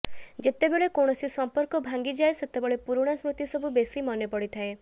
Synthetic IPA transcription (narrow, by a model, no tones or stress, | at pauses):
d͡ʒet̪ebeɭekoɽ̃ɔsisɔmpɔɾkɔbʱaŋɡid͡ʒaeset̪ebeɭepuɾuɽ̃asmɾut̪isɔbubesimɔnepɔɽit̪ʰae